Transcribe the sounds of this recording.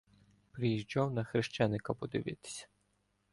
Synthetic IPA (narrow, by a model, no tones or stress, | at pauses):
pɾɪjiʒd͡ʒɔwnɐxɾɪʃt͡ʃɛnɪkɐpɔd̪ɪʋɪt̪ɪ̥sʲɐ̥